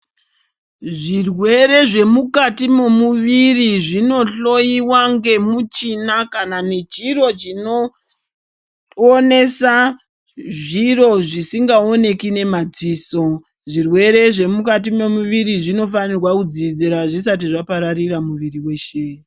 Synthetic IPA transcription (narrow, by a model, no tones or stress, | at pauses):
ʐirwe̞ɾe̞ʐe̞mukatime̞muʋiriʐino̞ɬo̞jiwaŋɡe̞mut͡ʃinakananet͡ʃiro̞t͡ʃino̞ | one̞sa | ʐiro̞ʐisiŋɡaone̞kine̞mad͡ziːso̞ | ʐirwe̞ɾe̞ʐe̞mukat̬imemuʋiɾiʐino̞fanirwakud͡zid͡zeɾaʐis̬at̬iʐapaɾariɾamuʋiriwe̞ʃe